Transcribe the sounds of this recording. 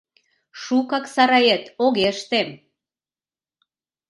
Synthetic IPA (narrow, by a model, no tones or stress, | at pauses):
ʃukɑksɑɾɑjet̪oɣeəʃt̪em